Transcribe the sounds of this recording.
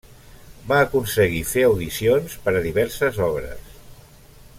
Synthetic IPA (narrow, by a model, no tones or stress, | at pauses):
baːkunsəɣ̞ifeəwðisionspəɾəðiβɛɾsəzɔβɾə̰s